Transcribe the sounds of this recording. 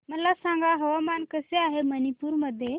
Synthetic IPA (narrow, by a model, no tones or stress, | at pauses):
məlasãŋɡaɦəʋamankəseaɦemənipuːɾməd̪ʱːje